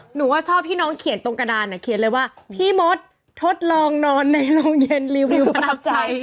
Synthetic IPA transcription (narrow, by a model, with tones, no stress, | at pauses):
nuː˩˦waː˥˩t͡ɕʰɔː˥˩p̚ʰːiː˥˩nɔː˦˥ŋkʰi˨˩˦nt̪o˧ŋka˧daː˧nːʔa˧˩kʰi˨˩˦nlɤː˧jwaː˥˩pʰiː˥˩mo˦˥t̪̚ʰː | o˦˥t̪̚lɔː˧ŋnɔː˧nːa˧jlo˧ŋje˧nli˧wli˧wa˦˥p̚t͡ɕa˧j